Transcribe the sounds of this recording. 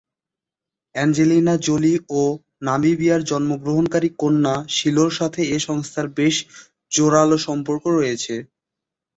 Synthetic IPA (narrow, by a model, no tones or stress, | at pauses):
ɛnd͡ʑelinad͡ʑolio | namibiaɾd͡ʑɔnmoɡɾoɦonkaɾikonːaʃiloɾʃat̪ʰeeʃɔŋst̪ʰaɾbeʃ | d͡ʑoɾaloʃɔmpoɾkoɾojet͡ɕʰe